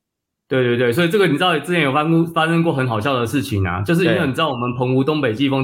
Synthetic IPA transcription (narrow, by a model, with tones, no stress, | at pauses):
t̪we˥˧ɪt̪wt̪we˥˩ɪswi˨˩ʈ͡ʂɤ˥˩ɡə˨ni˨˩ɻ̩˥ɑ˥˩˨jɛ˧˦njfa˦˥ʂə˥ŋkwɔ˥˨xə˧˦nxɑ˨ʊɕjɑ˥˩ʊd̪ə˩ʂɻ̩˥˩t͡ɕʰi˨˩nɐ̰˨˩t͡ɕjo˥˧ʊʂ̬ɻ̩˥˧˥nwe˥˩ni˨˩˧wmə˨npʰɤ˧˥ŋu˧˥t̪o˥ŋpe˨˩ɪt͡ɕi˥˧˩fɔ˥˦ŋ